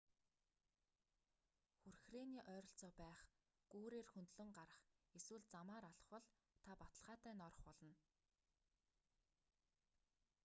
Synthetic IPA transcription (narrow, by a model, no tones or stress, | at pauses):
xurxreniːʔœːɾɞ̆ɬt͡sɔːpæːχ | ɡ̥uːɾeːrxɵnt̪ɮɵ̆ŋɢaɾə̆χeswɘ̆ɮt͡samaːɾaɮɞ̥̆χwɔ̆ɮ | t̪ʰapat̪ə̥̆ɮʁaːt̪æːnɔrɞ̆χpɔɮɞ̆n